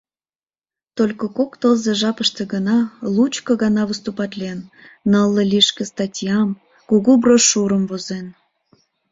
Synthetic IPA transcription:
t̪olʲkokokt̪ozeʒɑpəʃt̪ĕɡənɑlut͡ɕkoɣɑnɑβəst̪upɑt̪lʲiennəlˠːəlʲiʃkĕst̪ɑtʲjɑm | kuɣubroʃuɾəmvozen

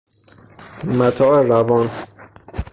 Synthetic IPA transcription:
mæt̪ʰɒːeɾævɒːn

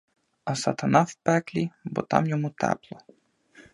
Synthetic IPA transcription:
ɐsɐt̪ɐnɑwpɛklʲibɔ̰t̪ɑ̰mjɔmut̪ɛ̰plˠɔ

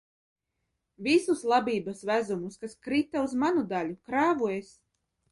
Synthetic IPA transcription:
vʲisuslˠabʲiːbasvæzumuskaskɾit̪auzmanud̪alʲukɾaːvuɔjes

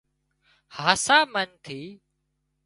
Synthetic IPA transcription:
haːsaːmənt̪ʰiː

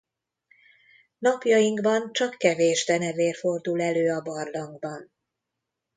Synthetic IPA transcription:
nɒpjɒjiŋɡbɒnt͡ʃɒkːɛveːʒd̪ɛnɛveːrfo̞rd̪ulɛløːɒbɒrlɒŋɡbɒn

